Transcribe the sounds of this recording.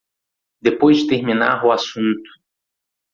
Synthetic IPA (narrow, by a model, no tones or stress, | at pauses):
d̪epojzt̪eɾmĩna̰ɦʊasũnt̪ʊ̥